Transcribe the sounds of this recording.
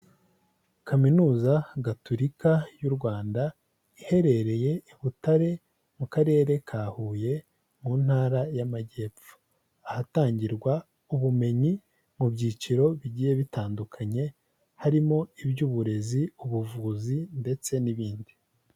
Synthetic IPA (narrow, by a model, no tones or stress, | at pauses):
kaminuːzaɡatʰoɾikajuɾɡwaːnda | ihe̞ɾe̞ɾe̞je̞iβutaɾe̞ | mukaɾe̞ːɾe̞kʰaːhuːje̞ | muːn̥haːɾajamaɟe̞ːp͡fu̥ | ahataːɲɟiɾɡwa | uβume̞ɲi | mubɟiːt͡ʃiɾo̞βiɟiːje̞βitaːndukʰaɲe̞ | haɾimo̞ibɟuːβuɾe̞ziuβuvuːzinde̞t͡se̞niβiːndi